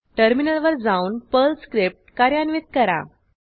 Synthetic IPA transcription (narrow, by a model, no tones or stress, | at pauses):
ʈəɾminəlʋəɾd͡zauːnpəlskɾip̚ʈ̚kaɾjanʋit̪̚kəɾa̰